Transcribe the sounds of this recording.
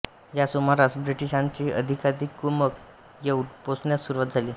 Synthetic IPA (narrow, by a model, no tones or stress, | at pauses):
jasumaɾasbɾiʈiɕãɲt͡ɕiːʔəd̪ʱikad̪ikːumək | jeʈposɳjasuɾuʋat̪̚d͡zʱaliː